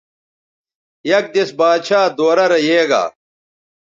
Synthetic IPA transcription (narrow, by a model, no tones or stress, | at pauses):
jɐk̚d̪esbaːd̪ɕaːd̪oːɾɐɾɐjeːɡa̰ː